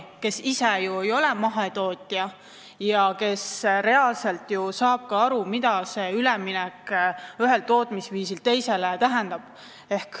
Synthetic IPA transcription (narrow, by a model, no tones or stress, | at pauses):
ke̞sisejuejo̞lɛmɑɦet̪o̞ːt̪ʲːˑiɑ | jɑke̞sɾe̞ɑːlse̞lt̪ˑjusɑːb̥̚kɑɑɾumid̪̥ɑse̞ylɛminɛkyɦe̞lt̪o̞ːt̪ˑmisviːsilt̪e̞jse̞let̪æɦend̪̥ɑb̥ | e̞hk